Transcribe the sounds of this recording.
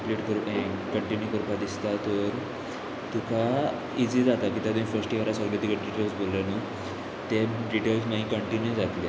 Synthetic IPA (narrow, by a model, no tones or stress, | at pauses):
pliʈkəɾkəɳʈinjukəɾpad̪ist̪at̪ɔɾ | t̪uka | id͡zid͡zat̪akiːt̪jat̪umĩfəɾsʈikəɾasəɡlet̪ikəʈɖiʈelsbolːanə | t̪eɖiʈels̬maɦĩkəɳʈinjud͡zat̪le